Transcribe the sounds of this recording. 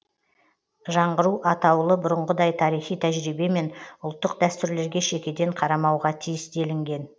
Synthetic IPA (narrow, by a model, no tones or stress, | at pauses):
ʒɑɴʁəɾuʔɑt̪ɑwlˠəbʊɾəɴʁəd̪ɑjt̪ʰɑɾijχijt̪ʰæʒɾibe̞me̞nʊlˠt̪ːəq̚d̪æst̪ʏɾle̞ɾɡʲe̞ʃe̞kʲe̞d̪e̞ɴqʰɑɾɑmɑwʁɑt̪ʰijɪsd̪e̞lɪŋɡʲe̞n